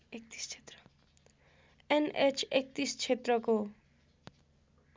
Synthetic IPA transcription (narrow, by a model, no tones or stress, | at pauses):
ek̚t̪i̥st͡ʃʰe̥t̪rʌ̥ | enet͡ʃʰek̚t̪ist͡ʃʰet̪rʌko